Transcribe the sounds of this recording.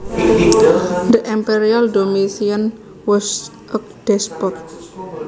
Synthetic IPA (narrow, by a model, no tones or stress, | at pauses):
d̪əʔimpeɾialdomisiən | wɛs | ʔək̚d̥ɛspɔt̪̚